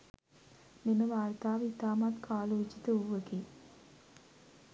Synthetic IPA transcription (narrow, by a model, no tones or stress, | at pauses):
meməʋaːrt̪aːʋəit̪aːmat̪kʰaːloːt͡ʃit̪əuʋəɡi